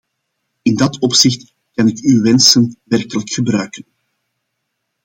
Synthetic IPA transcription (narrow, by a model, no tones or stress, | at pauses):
ɪndɑtɔpsɪxt | kɑnɪkywʋɛnsənʋɛrkələkxəbɾœɥkən